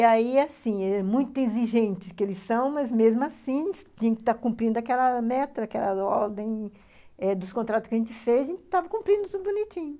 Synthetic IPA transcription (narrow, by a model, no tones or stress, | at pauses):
aiasĩɛmũj̃t̪ʊĩziʒẽnt͡ʃɪ̥skɪelɪssɐ̃w̃mɐzmezmʊasĩsʒẽnt͡ʃɪ̥t̪akũmpɾĩnd̪ʊakɛlɐmɛt̪ɾɐakɛlɐɔɾd̪ẽj̃ | ɛd̪ʊskõnt̪ɾat̪ʊskɪɐʒẽnt͡ʃɪfejzaʒẽnt͡ʃɪ̥t̪avɐkũmpɾĩnd̪ʊt̪ud̪ʊbunit͡ʃĩɲʊ